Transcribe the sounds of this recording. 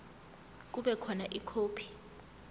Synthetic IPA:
k̬uɓɛkʰɔnaʔikʰoːpʰi̥

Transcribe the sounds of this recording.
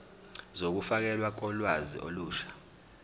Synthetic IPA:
zok̬ufak̬ɛlwak̬ʼɔlwazḭʔo̰luːʃḁ

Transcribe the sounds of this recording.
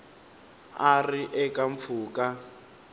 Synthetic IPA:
arɪʔɛkʼaɱ̩p̪fuːkʼa

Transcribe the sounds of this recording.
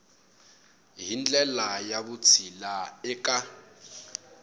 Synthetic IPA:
ɦind͡ɮʱɛlajaβut͡sʰilaɛkʼa

